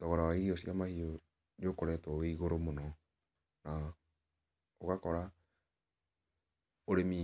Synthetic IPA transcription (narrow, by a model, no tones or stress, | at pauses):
tɔɣɔɾawaiɾiɔsiamahio | niokoɾɛːtwɔweiɣoɾomonɔ | na | okakɔɾa | oɾemi